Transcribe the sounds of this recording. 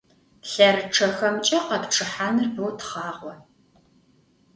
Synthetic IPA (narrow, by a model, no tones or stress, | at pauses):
ɬɐrɨʈ͡ʂʰɐxɐmt͡ʃʼɐqɐpʈ͡ʂʰɨħaːnɨrbɐwtχɑːʁʷɔ